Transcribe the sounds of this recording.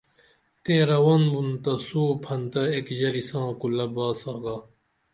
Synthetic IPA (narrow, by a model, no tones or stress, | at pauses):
t̪eːɾɐwɐnbunt̪ɐsuːpʰɐnt̪ɐekʑɐɾisãːkulɐbaːsaːɡaː